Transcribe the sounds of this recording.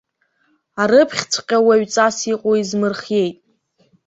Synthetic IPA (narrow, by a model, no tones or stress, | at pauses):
aɾɨpʰχʲt͡sʷʰqʲʼawaɥt͡sʼasiqʼoizmɨrχje̞jtʼ